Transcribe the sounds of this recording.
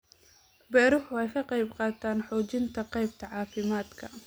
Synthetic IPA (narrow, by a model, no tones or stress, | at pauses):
bɛːɾʊħʊɛjkʰɐqɑjbqɑːt̪ʰaːnħɔːt͡ʃɪnt̪ʰɐqɑjb̚t̪ʰɐʕɑːfɪmaːd̪kʰɐ